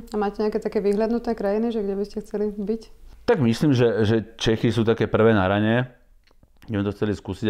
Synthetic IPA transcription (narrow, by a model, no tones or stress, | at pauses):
amaːcɛɲɛakɛːt̪akɛːʋiɦljad̪nut̪nɛːkɾajiniʒɛɡɟɛbiscɛxt͡sɛlibict̪aɡmisliːmʒɛʒɛt͡ʃɛxisuːt̪akɛːpr̩ʋɛːnaɾaɲɛ | ɡɛmɛt̪ɔxt͡sɛliskusiɟ